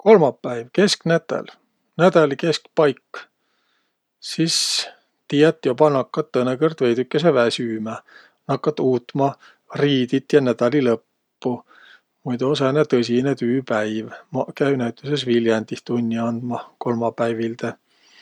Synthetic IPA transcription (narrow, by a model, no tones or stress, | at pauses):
ko̞lmɑpːæjvke̞sknæt̪ˑːḛl | næd̪̥ɑlike̞skpɑjkː | sis | t̪iːɑt̪ːˑjobɑnɑkːɑt̪ːɤnekɤrd̪ve̞jd̪ykːˑes̬evæsyːmæ | nɑkːɑt̪ːuːt̪mɑ | riːd̪it̪jɑnæd̪̥ɑlilɤpː | u | mujd̪osenet̪ɤsʲinet̪yːpæjvmkæynæwt̪ːˑyse̞sviljɑnd̪ist̪unʲːiɑnd̪̥mɑko̞lmɑpæjvilt̪e